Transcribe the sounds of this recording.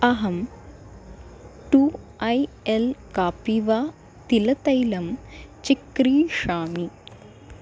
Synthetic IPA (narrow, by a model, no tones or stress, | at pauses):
ɐɦɐm | ʈu | ɐj | elkaːpiʋaː | t̪ilɐt̪ɐjlɐmt͡ʃikɾiːʂaːmi